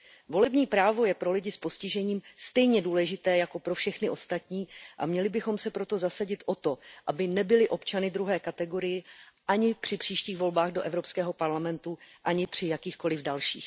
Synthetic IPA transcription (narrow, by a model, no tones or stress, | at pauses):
vo̞lɛbɲiːpɾaːvo̞jɛpɾo̞lɪɟɪspo̞scɪʒɛɲiːmst̪ɛjɲɛduːlɛʒɪt̪ɛːjako̞pɾo̞fʃɛxnɪʔo̞st̪at̪ɲiːʔa̰mɲɛlɪbɪxo̞msɛpɾo̞t̪o̞zasaɟɪt̪ʔo̞t̪o̞ʔabɪnɛbɪlɪʔo̞pt͡ʃanɪd̪ɾuɦɛːkat̪ɛɡo̞ɾɪjɪʔaɲɪpr̝̥ɪpr̝̥iːʃciːɣvo̞lbaːɣdo̞ʔɛvɾo̞pskɛːɦo̞paɾlamɛnt̪uʔaɲɪpr̝̥ɪjakiːxko̞lɪvdalʃḭːx